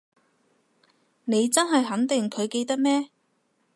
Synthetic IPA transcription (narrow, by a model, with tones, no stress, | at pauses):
ne˨˧jt͡sɐ˥nɦɐ˨jɦɐ˨˥nt̪ɪ˨ŋkʰɵ˨˧ɥke˧jt̪ɐ˥k̚mɛː˥